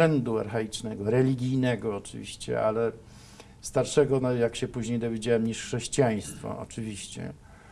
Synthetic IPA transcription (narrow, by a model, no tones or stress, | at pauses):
ɛnd̪uaɾxɛit͡ʂnɛɡɔɾɛlʲiɡʲijnɛɡɔːt͡ʂɨ̰vʲḭɕt͡ɕɛ̰alɛ | st̪aɾʂɛɡɔnɔjakɕɛpuʑɲejd̪ɔvʲjed͡ʑawɛmɲiʂxʂɛɕt͡ɕijaj̃st̪fɔ̰ɔ̰t͡ʂɘvʲiɕt͡ɕɛ̰